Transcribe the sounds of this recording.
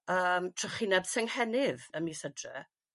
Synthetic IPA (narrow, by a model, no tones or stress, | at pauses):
əːmtʰʊχinɛbsɛŋhɛnɪðəmisədrɛ̰